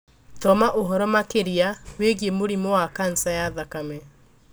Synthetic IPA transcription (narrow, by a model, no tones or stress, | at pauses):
tɔmaʔoɦɔɾɔmakeɾiaweɣjemoɾimɔwakan̩sajaðakamɛ